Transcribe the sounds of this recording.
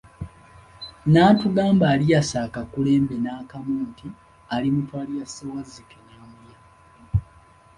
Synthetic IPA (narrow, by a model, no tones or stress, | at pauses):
naːtuɡaːmbaːlijasaːkakule̞ːmbe̞naːkamuːnti | alimutwaːlijasawazːikenaːmuja